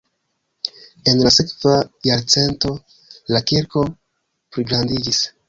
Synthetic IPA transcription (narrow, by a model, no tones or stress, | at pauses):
e̞nlase̞kvajaɾt͡se̞nto̞ | lakiɾko̞ | pɾiɡɾandid͡ʒis